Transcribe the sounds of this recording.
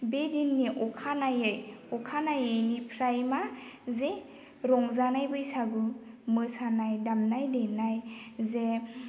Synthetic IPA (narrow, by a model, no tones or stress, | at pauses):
bedinːiʔɔkʰanajɯjɔkʰanajɯjnipʰɾajmaze | ɾɔŋzanajbɯjsaɡɯ | mɯsanajdamnajdenajze